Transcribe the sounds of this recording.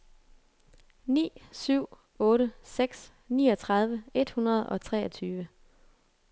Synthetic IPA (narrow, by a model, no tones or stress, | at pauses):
nḭːsyʊ̰ | ɔ̽ːɾəseɡ̥s | nḭːɒ̽t͡sʰʁɑ̈ð̞ˠʋəe̝d̥hunʁɐð̞̩ˠɒ̽t͡sʰʁɛ̰ːɒt͡sʰyːʋə